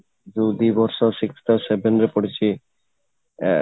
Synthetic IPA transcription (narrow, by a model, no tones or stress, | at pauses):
d͡ʑud̪ibɔɾʃoʃikʰɾi̥t̪asebenɾepoɽit͡ɕʰi